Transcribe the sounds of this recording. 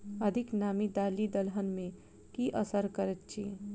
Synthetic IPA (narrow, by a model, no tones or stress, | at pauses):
ɐd̪ʱɪknaːmid̪aːlid̪əlɦənmẽ | kiʔəsəɾkəɾət̪t͡ʃʰi